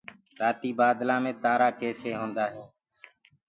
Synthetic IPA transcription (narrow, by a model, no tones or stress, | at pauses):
ɾaːt̪iːbaːd̪lãːmẽːt̪aːɾaːkeːseːɦõːnd̪aːɦẽː